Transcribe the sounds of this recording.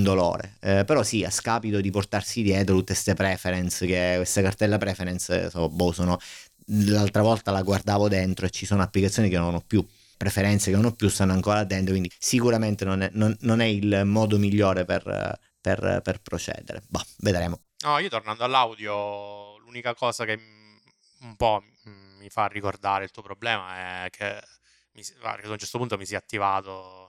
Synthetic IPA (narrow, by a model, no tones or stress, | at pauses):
und̪olo̰ːɾḛpeɾɔsia̰skaːpit̪od̪iport̪arsid̪jɛːt̪̬ɾot̪ut̪ːest̪epɾɛːfeɾɛnsk̟ekwest̪akart̪ɛlːapɾɛfeɾɛnssobːosonɔ | lalt̪ɾavɔlt̪alaɡward̪aːvod̪ent̪ɾoet͡ʃːisoːnoapːlikat̪sːjoːnikenːonɔpːju | pːɾefeɾɛnt̪sekenːonɔpːjust̪anːoaŋkoːɾad̪ent̪okwind̪isikuɾament̪enonɛnonːonɛilmɔːd̪omiʎːoːɾepḛr | pḛrperpɾot͡ʃɛ̰ːd̪ḛɾḛbaved̪ɾeːmo | nɔiːot̪ornand̪oalːawd̪jolunikakɔːzake | umpɔː | ifarːikord̪aːɾeilt̪uːopɾoblɛːmaɛkʰe | misa̰kad̪aunt͡ʃɛɾt̪opunt̪omisɛat̪ːivaːt̪o